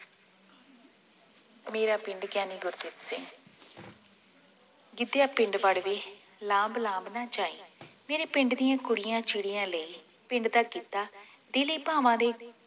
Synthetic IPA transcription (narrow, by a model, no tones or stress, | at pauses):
meːɾaːpɪ̃ɳɖɡaːniːɡʊɾt̪ɪt̪sɪ̃ŋ | ɡɪd̪ejaːpɪ̃ɳɖʋəɽʋeː | lãːmblãːmbnãːt͡ʃaːḭ̃ːmeːɾeːpɪɳɖd̪ɪjãːkʊɽɪjãːt͡ʃɪɽɪjãːləiː | pɪ̃ɳɖd̪aːkiːt̪aː | d̪eːləiːpaːʋãːd̪eː